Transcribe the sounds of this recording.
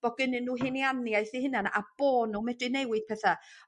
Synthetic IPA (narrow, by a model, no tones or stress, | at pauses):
b̥ɔɡɪnɨnːuːɦɪnjanjajθihɨənana̰b̥oːnumɛdɨnejwɨð̥pʰɛθa